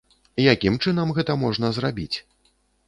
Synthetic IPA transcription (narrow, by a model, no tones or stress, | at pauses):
ijakʲimt͡ʂɨn̪ɐmɣɛt̪ɐmɔʐn̪ɐzrabʲit͡sʲ